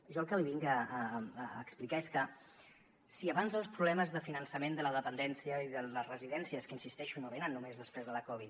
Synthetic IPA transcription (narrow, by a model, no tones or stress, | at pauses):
ʒɔlˠkəliβiŋɡəː | ksplikaeskə | siəβanzðəlˠspɾuβlɛməzðəfinənsəmend̪ələðəpənd̪ɛnsijəiðələzrəziðɛnsiəskəinsist̪ɛʃunoβ̞enənːumezðəspɾezðələkɔβ̞it̪